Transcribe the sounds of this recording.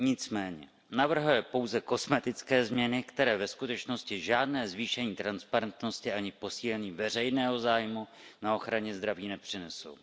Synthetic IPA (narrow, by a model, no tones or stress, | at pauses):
ɲɪt͡smɛːɲɛ̰ | navr̩ɦujɛpo̞wzɛko̞smɛt̪ɪt͡skɛːzmɲɛnɪkt̪ɛɾɛːvɛskut̪ɛt͡ʃno̞scɪʒaːdnɛːzviːʃɛɲiːt̪ɾanspaɾɛnt̪no̞scɪʔaɲɪpo̞siːlɛɲiːvɛr̝ɛjnɛːɦo̞zaːjmu | nao̞xɾaɲɛzd̪ɾaviːnɛpr̥ɪnɛso̞̰w